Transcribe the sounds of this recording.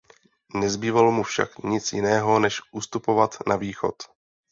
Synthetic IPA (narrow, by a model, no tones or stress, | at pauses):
nɛzbiːvalmufʃa̰kɲɪt͡sjɪnɛːɦo̞nɛʃʔust̪upo̞vat̪naviːxo̞̰t̪